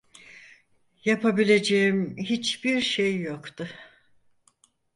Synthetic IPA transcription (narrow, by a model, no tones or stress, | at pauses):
japʰabilʲe̞d͡ʒejimɦit͡ʃbiɾʃejːokt̪ʰʊ